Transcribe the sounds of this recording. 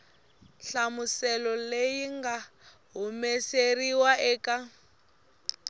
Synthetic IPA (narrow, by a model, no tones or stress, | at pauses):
ɬamusɛlɔlejiŋɡa | ɦumɛseriwaʔɛːka